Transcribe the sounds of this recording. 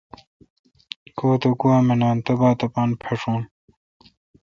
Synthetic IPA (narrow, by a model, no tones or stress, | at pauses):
koːt̪okuwaːmenaːnt̪ɐbaːt̪ɐpaːnpʰeʂoːn